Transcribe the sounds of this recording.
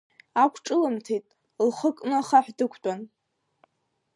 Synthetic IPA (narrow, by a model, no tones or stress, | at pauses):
akʷʰʈ͡ʂʼɨlɨmtʰejtʼ | lχəkʼnɨχaħʷᶣdɨkʷʰtʷʼan